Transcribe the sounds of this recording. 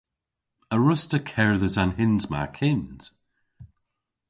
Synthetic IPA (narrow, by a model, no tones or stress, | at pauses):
əɹʊstəkʰɛɹðəzanɦɪnzma̰kʰɪnz̥